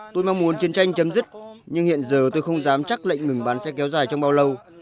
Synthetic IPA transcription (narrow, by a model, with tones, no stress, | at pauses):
t̪o˧jma˧ŋmu˨˦ənt͡ɕi˨˦ənt͡ɕa˧jŋ̟t͡ɕə˨˦mzɨ˦˥t̚ɲɨ˧ŋhḭ˧˨ənzəː˨˩t̪o˧jxə˧wŋ͡mzaː˨˦mt͡ɕa˦˥k̚lə̰˧˨jŋ̟ŋɨ˨˩ŋɓaː˨˦nsɛ̰˧˥kɛ˨˦wzaː˨˩jt͡ɕɔ˧wŋ͡mɓaː˧wlə˧w